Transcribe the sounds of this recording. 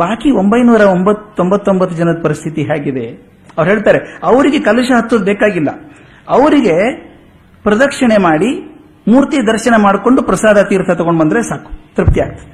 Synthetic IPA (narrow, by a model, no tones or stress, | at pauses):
baːkio̞mbɐjnuːɾɐombɐt̪ːo̞mbɐt̪ːo̞mbɐt̪ːud͡ʒɐnɐd̪ɐpɐɾist̪ʰit̪iɦaːɡid̪e̞ | ɐʋɾɦe̞ːɭt̪aːɾe̞ɐʋɐɾiɡe̞kɐlɐʃɐɦɐt̪ːud̪beːkaːɡilːɐ̰ | ɐʋɐɾiɡe̞ | pɾɐd̪ɐkʂɐɳe̞maːɽi | muːɾt̪id̪ɐɾʃɐnemaːɽko̞ɳɖupɾɐsaːd̪ʱɐt̪iːɾt̪ʰɐt̪ɐɡoɳɖbɐnd̪ɾesaːku̥t̪ɾup̚t̪ijaːɡ̚t̪ɐd̪ee